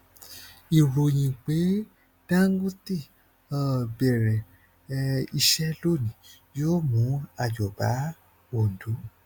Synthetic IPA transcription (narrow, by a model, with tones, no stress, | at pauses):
i˨ɾo˨j̃ĩ˨k͡pe˨˦ | d̥ã˦ŋ˦ɡũ˦ti˦˨ | a˨bɛ˨ɾɛ˨˧ | i˧ʃɛ˦lo˦˨nĩ˨˦ | joː˦˨mũ˨˦a˦˨d͡ʒɔ˨ba˨˦ | wo˨n̩˨du˨˦